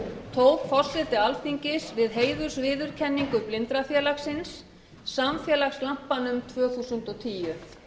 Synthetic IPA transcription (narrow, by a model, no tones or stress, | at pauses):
t̪ʰoːwɣfɔr̥sɪt̪ɪalfiɲcɪsvɪðɦeːjðʏ̥svɪːðʏɾ̥cʰɛnːiŋkʏplɪnt̪ɾafjɛːlaxsɪnsː | amfjɛːlaxslam̥panʏmt̪ʰvœːθusʏnt̪ɔt̪ʰiːjʏ